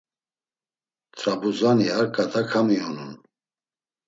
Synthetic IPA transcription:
t̪ʰɾabuzaniaɾkʼat̪ʰakʰamiɔnun

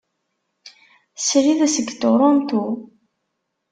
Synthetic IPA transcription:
sɾiðæsəɡːt̪oɾˤɔnt̪u

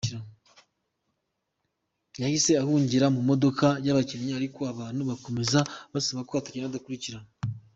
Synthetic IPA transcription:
ɾa | jahise̞ahuːɲɟiɾamumo̞do̞kajaβaceɲeaɾikoaβaːn̥huβako̞me̞zaβasaβakoβatacenaadakuɾiciɾa

